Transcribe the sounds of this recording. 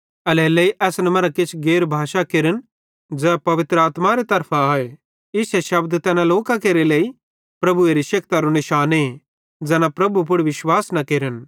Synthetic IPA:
ɐlɛleiʔɛːsnɛmɐɾakɪt͡ʃʰɡeːɾbʱaːʃakeːɾən | d͡ʒɛːpɐʋɪt̪ɾəaːt̪maɾet̪ɐɾpʰaaːe | ɪsɛʃɐbd̪t̪ɛːnãloːkakeːɾelei | pɾɐbueɾiʃɐkt̪aɾunɪʃaːne | d͡zɛːnapɾɐbup̬ʊɽʋɪʃwaːsnɐkeːɾən

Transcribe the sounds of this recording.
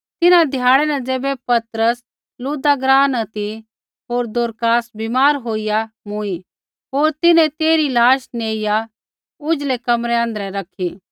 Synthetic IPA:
t̪ɪnãd̪ʱjaːɽɛnɛ̃d͡zeːbɛpɐt̪ɾəs | luːd̪aɡɾaːnɐt̪i | ɦoːɾd̪ʊɾkaːsbimaːɾɦoːɪjamʊ̃i | ɦoːɾt̪ɪnɛ̃t̪eːɾilaːʃneːɪja | ʊd͡ʒlekɐmɾɛãːnd̪ɾɛɾɐkʰːi

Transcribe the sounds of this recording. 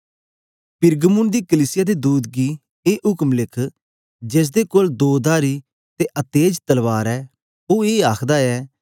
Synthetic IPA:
pɪɾɡəmʊnd̪iːkəliːsɪjaːd̪ed̪uːd̪ɡiː | eːʔʊkmlɪkʰ | d͡ʒeːs̬d̪ekoːld̪oːd̪aːɾi | t̪eʔət̪eːd͡ʒt̪əlʋaːɾɛː | oːeːaːkʰd̪aɛː

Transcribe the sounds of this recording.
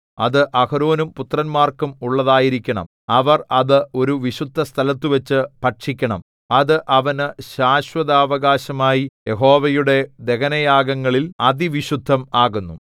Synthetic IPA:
ɐ̰ðɨʔɐhɐɾoːnumput̪rɐnmaːrkumuɭːɐðaːjiɾikʲːɐɳɐ̰m | ɐʋɐrɐðɨo̞ɾuʋiɕud̪ʱːɐst̪ʰɐlɐt̪ːuʋɐt͡ɕːɨpɐʈʂikʲːɐɳɐm | ɐðɨʔɐʋɐnɨɕaːɕwɐðaːʋɐɣaːɕɐmaːjije̞ɦo̞ːʋɐjuɽe̞d̪e̞kɐnɐjaːɡɐŋːɐɭilɐd̪iʋiɕud̪ʱːɐmaːɣunːu

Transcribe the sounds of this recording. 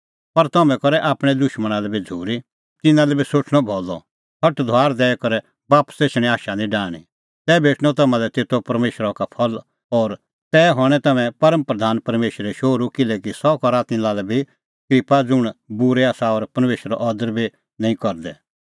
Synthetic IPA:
pɐɾt̪ɐmɛ̃kɔɾɛʔaːpɽ̃ɛd̪ʊʃməɽ̃alɛbid͡zʱuːɾi | t̪ɪnãlɛbisoːt͡ʃʰɽ̃ɔbʱɔːlɔ̰ | hʰɐʈd̪ʱʊaːɾd̪ɛːɛkɔɾɛ | baːpseːt͡ʃɽ̃ɛaːʃanĩɖaːɽ̃ḭ | t̪ɛːbʱeːʈʰɽ̃ɔt̪ɐmãlɛt̪eːt̪ʰːopɐɾmeːʃɾakapʰɔl | ɔːɾ | t̪ɛːɦɔɽ̃ɛt̪ɐmɛ̃pɐɾəmpɾɐd̪ʱaːnpɐɾmeːʃɾɛʃoːɾukɪlɛkisɔkɔɾat̪ɪ̃nlaːlɛbʱi | kɾɪpad͡zʊɽ̃bʊɾɛaːsaɔːɾpɐɾmeːʃɾa̰ʔɔːd̪əɾbʱi | nɐ̃ĩkɔɾd̪ɛ

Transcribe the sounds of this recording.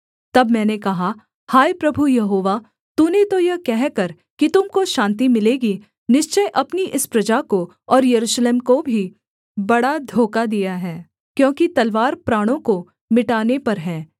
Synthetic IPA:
t̪ɐbmɛ̃ːnekɐɦa | haːipɾɐbʱujɐɦoːʋa | t̪uːnet̪ojɐkɛɦkɐɾ | kit̪ʊmkoʃãːnt̪imɪleːɡi | nɪʃt͡ʃəjʔɐpniʔɪspɾɐd͡ʒako | ɔːɾjɐɾuːʃleːmkobʱi | bɐɽad̪ʱoːkad̪ijaɦɛː | kjõːkit̪ɐlʋaːɾpɾaːɽ̃õko | mɪʈaːnepɐɾɦɛː

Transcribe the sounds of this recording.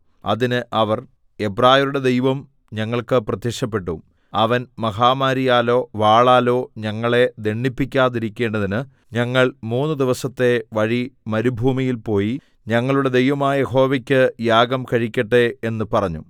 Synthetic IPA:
ɐ̰ðinɨʔɐʋɐr | e̞braːjɐɾuɽe̞d̪e̞jʋɐm | ɲɐŋːɐɭkɨprɐt̪jɐʂɐpːe̞ʈːum | ɐʋɐnmɐɦaːmaːɾijaːlo̞ːʋaːɭaːlo̞ːɲɐŋːɐɭe̞d̪e̞ɳːipːikʲːaːðiɾikʲːe̞ːɳɖɐðinɨ | ɲɐŋːɐɭmuːnːɨd̪iʋɐsɐt̪ːe̞ʋɐɻimɐɾubʱuːmijilpo̞ːji | ɲɐŋːɐɭuɽe̞d̪e̞jʋɐmaːjɐjeɦo̞ːʋɐkʲːɨjaːɡɐmkɐɻikʲːɐʈːee̞nːɨpɐrɐɲːṵ

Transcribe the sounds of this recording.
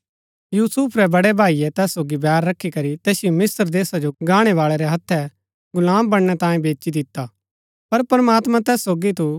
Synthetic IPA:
juːsʊpʰɾɛbɐɽɛbʱaːijɛt̪ɛːsːoːɡibɛːɾːɐkʰːikɐɾit̪eːsɪjomɪsəɾd̪eːsad͡ʒoɡaːɽ̃ɛʋaːɭɛɾɛɦɐt̪ʰːɛ | ɡʊlaːmbɐɽɽ̃ɛt̪ãːjẽbeːt͡ʃid̪ɪt̪ːa | pɐɾpɐɾəmaːt̪mãt̪ɛːsːoːɡit̪u

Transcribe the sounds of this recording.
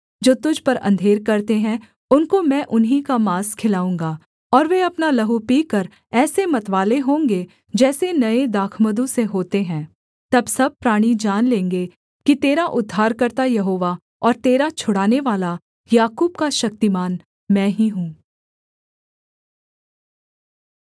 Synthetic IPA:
d͡ʒoːt̪ʊd͡ʒʱpɐɾɐ̰̃nd̪ʱeːɾkɐɾt̪eɦɛ̃ | ʊnkomɛ̃ʔʊnɦikamaːskʰɪlaːũːŋɡaː | ɔːɾʋeɐpnalɐɦupiːkɐɾ | ɛːsemɐt̪ʋaːleɦõːŋɡe | d͡ʒɛːsenɐed̪aːkʰməd̪ũseɦoːt̪eɦɛ̃ː | t̪ɐbsɐb̚pɾaːɽ̃id͡ʒaːnlẽːŋɡe | kit̪eːɾaʔʊd̪ʱːaːɾkɐɾt̪ajɐɦoːʋa | ɔːɾt̪eːɾat͡ʃʰʊɽaːneʋaːla | jaːkuːb̚kaʃɐk̚t̪imaːn | mɛ̃ːɦiɦũː

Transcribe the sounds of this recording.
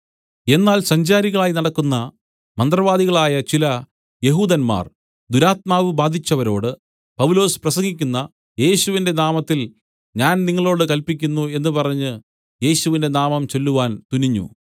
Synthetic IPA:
e̞nːaːlsɐɲd͡ʑaːɾiɣɐɭaːjinɐɽɐkːunːɐ | mɐnd̪rɐʋaːd̪iɣɐɭaːjɐt͡ɕilɐ | je̞ɦuːd̪ɐnma̰ːr | d̪uɾaːt̪̚maːʋɨbaːd̪ʱit͡ɕːɐʋɐɾo̞̰ːɽɨ | pɐʋlo̞ːsprɐsɐŋɡikʲːunːɐ | je̞ːɕuʋinde̞naːmɐt̪ːil | ɲaːnniŋːɐɭo̞ːɽɨkɐlpik̬ʲːunːue̞nːɨpɐrɐɲːɨ | je̞ːɕuʋinde̞naːmɐmt͡ɕe̞lːuʋaːnt̪uniɲːṵ

